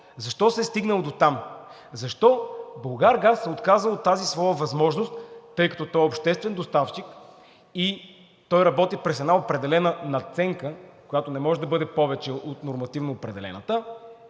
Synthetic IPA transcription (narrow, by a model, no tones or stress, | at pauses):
zɐʃt̪ɔsɛst̪iɡnəlˠd̪ot̪am | zɐʃt̪ɔbəlˠɡaɾɡasːɛot̪kazəlˠot̪ːazisvɔjəvɐzmɔʒnost̪ːɤjkɐ̥t̪ɔt̪ɔjɛopʃt̪ɛst̪vɛnd̪ost̪aft͡ʃik | i | t̪ɔjɾɐbɔt̪ipɾɛs̬ɛd̪naopɾɛd̪ɛlɛnənɐt̪sɛŋkəkojat̪onɛmɔʒɛd̪ɐbɤd̪ɛpɔvɛt͡ʃɛot̪noɾmɐt̪ivnoːpɾɛd̪ɛlɛ̰nə̰t̪ə